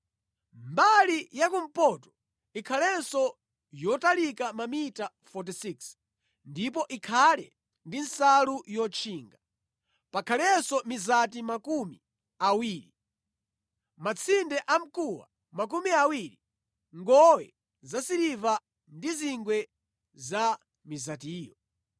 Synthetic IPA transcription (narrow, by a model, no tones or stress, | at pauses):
mbalijakumpɔtɔ̥ | ikʰalɛnsɔ | jɔtalikamamita | fɔt̬isiks | ndip̬ɔʔikʰalɛ | ndinsalujɔt͡ʃʰiːŋɡa | pakʰalɛnsɔmizatimakumḭ | awiːɾi | mat͡sʰindɛʔam̩kuwa̰ | mak̬umiawiɾi | ŋɡɔwɛ̰ | zasiɾiva | ndiziŋɡwɛ | za | mizatiːjɔ